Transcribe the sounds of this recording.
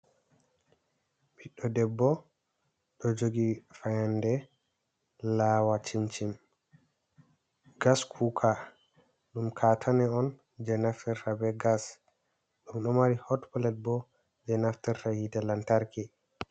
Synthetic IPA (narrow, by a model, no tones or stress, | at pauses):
biɗːɔdɛbːɔ | ɗɔd͡ʒoɡifajandɛ | lawat͡ʃimt͡ʃim | ɡaskʰukʰa | ɗumkʰatʰanɛɔn | d͡ʒɛnaftɛɾrabɛɡas | ɗumɗɔmaɾihɔtpɔlɛt̚bɔ | d͡ʒɛnaftɛɾːahitɛlantaɾkɛ